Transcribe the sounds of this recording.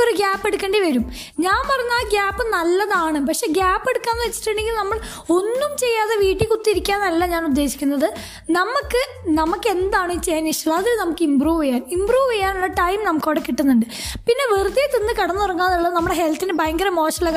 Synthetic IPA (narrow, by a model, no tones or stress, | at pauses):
oɾuɡaːpːe̞ɽukʲːɐɳɖeʋɐɾum | ɲaːnpɐrɐɲːaːɡʲaːpːɨnɐlːɐðaːɳɨpɐkʂe̞ːɡaːpːe̞ɽukːaːnːɨʋɐt͡ɕːi̥ʈːeɳɖeŋɡilnɐmːɐɭ | o̞nːumt͡ɕe̞jːaːðeʋiːʈːikut̪ːiiɾikʲːaːnɐlːɐɲaːnud̪ːe̞ːɕi̥kʲːunːɐðɨ | nɐmukːɨ | nɐmukːɨe̞nd̪aːɳɨit͡ɕːeːnːiʂɐɭɐɐðilnɐmukːɨimbruːʋejaːnimbruːʋejːaːnuɭːɐʈɐjmnɐmukːoʋɽekiʈːunːuɳɖɨ | pinːe̞ʋert̪ːijet̪ːenːɨkɐɽɐnːɨorɐŋːaːðuɭːɐðɨnɐmːuɽeɦelt̪inebɐjŋɡɐɾɐmo̞ːʂɐlɐɡ